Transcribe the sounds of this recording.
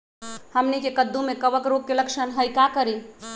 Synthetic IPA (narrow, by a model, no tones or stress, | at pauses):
həmnikekəd̪ːũmẽkəʋəkɾoɡ̚keləkʃənɦəjkakəɾi